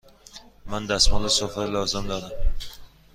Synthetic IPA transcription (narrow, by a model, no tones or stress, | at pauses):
mand̪asmɒlasɒflɒzɪmd̪ɒd̪am